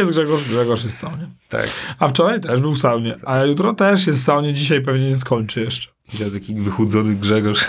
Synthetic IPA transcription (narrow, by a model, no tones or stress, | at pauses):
ɛst̪ɡʐɛɡɔʂɡʐɛɡɔʂjɛst̪sawɲɛt̪a̰kaft͡ʂɔɾajt̪ɛʐbɘwsawɲɛʔajut̪ɾɔt̪ɛʂ̬jɛt̪fsawɲɛd͡ʑiɕajp̬ɛvɲɛɲɛs̬kɔɲt͡ʂɨjɛʂt͡ʂɛ̥ilɛt̪akʲivɘxud̪zɔnɘɡʐɛɡɔʂ